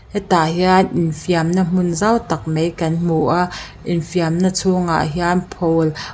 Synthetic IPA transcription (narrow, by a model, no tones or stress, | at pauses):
ʔɛt̪aɦianʔɪnfiamnam̥ʊnzawt̪ak̚mejkɐnm̥uʔaʔ | ʔinfiamnɐt͡sʰuŋa̰ʔɦianpʰol